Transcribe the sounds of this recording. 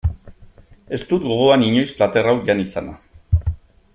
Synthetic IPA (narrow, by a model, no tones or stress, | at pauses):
e̞st̪ut̪ɡo̞ɣoaniɲo̞jsplat̪e̞rawʝanisana